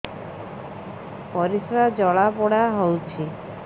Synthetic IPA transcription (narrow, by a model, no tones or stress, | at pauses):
pɔɾisɾad͡ʒɔɭapɔɽaɦowt͡ʃʰi